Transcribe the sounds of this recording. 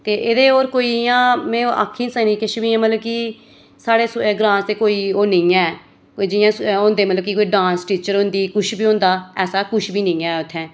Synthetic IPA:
t̪eːʔɪd̪eːoːɾkoːiːjãːmɛ̃ːoʔa̰ːkʰːĩːnsəːnĩːkɪʃbĩːãːmət̪ləbki | saːɽeːsɡɾãːnst̪eːkoːiːoːnẽːɛ̃ː | d͡ʒɪjãːõːnd̪eːmət̪ləbkɪkoːiːɖãːnsʈiːt͡ʃəɾõːnd̪iːkʊʃʰbiːõːnd̪aːɛːsaːkʊʃʰbiːneːɛ̃ːʊt̪ʰːɛ̃ː

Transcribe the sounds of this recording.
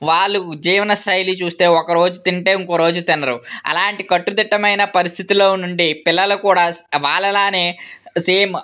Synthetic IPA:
ʋaːɭːud͡ʒiːʋɐnɐsʈɐjlit͡ʃuːst̪e̞ːɔkɐɾo̞ːd͡ʒut̪iɳʈe̞ːiŋkoːɾo̞ːd͡ʒut̪inːɐɾuɐ̰laːɳʈikɐʈːud̪iʈːɐmɐjnɐpɐɾist̪ʰit̪ilo̞ːnuɳɖipilːɐlɐkuːɽaːsʋaːɭːɐlaːne̞ːse̞ːm

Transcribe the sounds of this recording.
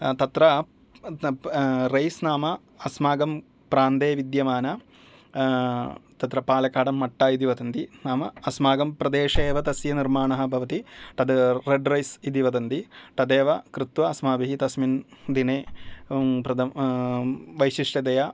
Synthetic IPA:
t̪ɐt̪ɾɐ | ɾɐjsnaːmɐ | ɐsmaːɡɐm | pɾaːnd̪eːʋid̪jɐmaːnɐ | t̪ɐt̪ɾɐpaːlɐkaːɽɐmːɐʈːaid̪iʋɐd̪ɐnd̪inaːmɐɐsmaːɡɐmpɾɐd̪eːʂeːʋɐt̪ɐsjɐniɾmaːɳɐɦɐ̆bʱɐʋɐt̪iʈ̪ɐd̪ɾeɖɾɐjsid̪iʋɐd̪ɐnd̪iʈ̪ɐd̪eːʋɐkɾit̪ʋɐɐsmaːbɐɦit̪ɐsmind̪ineː | pɾɐd̪ɐ | ʋɐjʃiʂʈɐd̪ɐjɐ

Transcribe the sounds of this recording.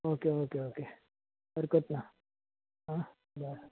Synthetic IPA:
oːkeoːkeoːkeː | bəɾkət̪na | ɦã | baː

